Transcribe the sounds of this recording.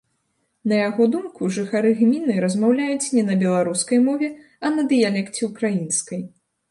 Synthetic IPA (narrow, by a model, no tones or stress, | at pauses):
nɐjaɣɔd̪umkuʐɨxaɾɨɣmʲinɨɾɐzmawlʲajut͡sʲnʲɛnɐbʲɛlˠaɾuskɐjmɔvʲɛ | ɐnɐd̪ɨjalʲɛkt͡sʲɛukɾajinskɐj